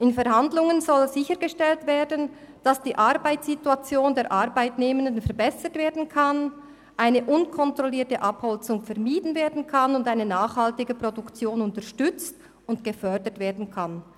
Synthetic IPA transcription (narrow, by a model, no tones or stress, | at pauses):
ʔɪnfɛɾhandlʊŋənzɔlzɪçəɾɡəʃtɛltv̥eːdən̩ | d̥asd̥iːʔɑɾbaɪtsituat͡sjoːndeːʔaʁbaɪtneːməndənfɛɐɾbɛsətv̥eːɐdn̩kʰan | ʔaɪnəʔʊnkʰɔntrɔliːtəʔɑphɔlt͡sʊŋfɛʁmiːdn̩veːɐdn̩kʰanʊndaɪnənaːχhaltɪɡəpɾɔdukt͡sjoːnʊntəʃtʏt͡st | ʊntɡ̥əfœdətv̥eːɐdn̩kʰan